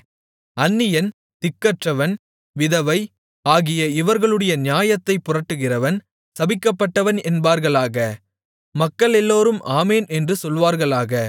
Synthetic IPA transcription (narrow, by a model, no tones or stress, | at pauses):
ɐnːɪjɐn | t̪ɪkːɐʈrɐʋɐn | ʋɪðɐʋɐɪ | aːɣɪjɐɪʋɐɾɣɐɭɯɽɐjɐnɪjaːjɐt̪ːɐɪpːʊrɐʈːɯɣɪrɐʋɐn | sɐbɪkːɐpːɐʈːɐʋɐnɛnbaːɾɣɐɭaːɣɐ | mɐkːɐɭɛlːoːɾɯmʔaːmeːnɛndrɯsɔlʋaːɾɣɐɭaːɣɐ